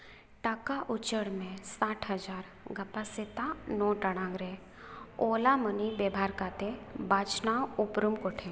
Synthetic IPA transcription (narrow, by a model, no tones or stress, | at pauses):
ʈakaʔʊt͡ʃəɽmẽsaːʈʰɦɐd͡ʒaːɾ | ɡɐpasɪt̪anɔ̃ːʈəɽ̃ãːɡɾe | oːlamənibebʱaːɾkaːt̪ebaːt͡ʃnawʊpɾumkoʈʰẽ